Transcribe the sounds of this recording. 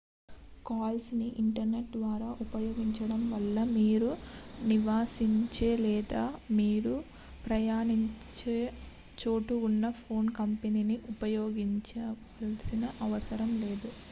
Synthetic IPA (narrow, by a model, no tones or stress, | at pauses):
kaːlsniʔiɳʈɐɾne̞ʈ̚d̪ʋaːɾaːʔupɐjoːɡiɲt͡ʃɐɽɐmʋɐlːɐmiːɾuniʋaːsiɲt͡ʃeːlɛːd̪aːmiːɾu | pɾɐjaːɳiɲt͡ʃeː | t͡ʃo̞ːʈuunːɐpʰo̞ːnkɐmpeniːniʔupɐjoːɡiɲt͡ʃɐ | ɐlsinɐʔɐʋɐsɐɾɐmle̞ːd̪u